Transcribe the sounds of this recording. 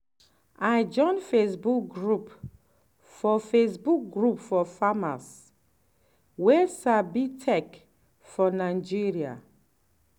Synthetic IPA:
ad͡ʒɔ̃nfesbuk̚ɡɹup | fɔfesbuk̚ɡɹupfɔfama̰s | wɛsabitʰɛk | fɔnad͡ʒiɹia̰

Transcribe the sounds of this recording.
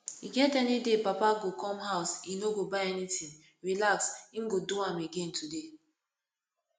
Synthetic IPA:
iɡɛntɛnidepapaɡokɔmɦaʊsinoɡobaɛnitĩn | ɾilaksiŋ̩ɡoduameɡentude

